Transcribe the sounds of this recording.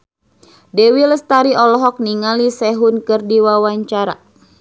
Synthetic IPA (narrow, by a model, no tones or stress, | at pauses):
dɛwiləst̪aɾiɔlɔɦɔk̚niŋalisɛɦunkɨrdiwawaɲt͡ʃaɾa̰